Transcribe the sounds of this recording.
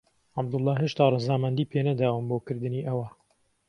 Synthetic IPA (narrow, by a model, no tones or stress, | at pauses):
ʕab̚d̪ʊlˠːɑːɦeʃt̪aːrˤɨzaːmɐnd̪iːpʰeːnɐd̪aːwɨmboːkɨɾd̪ɨniːʔɐwɐ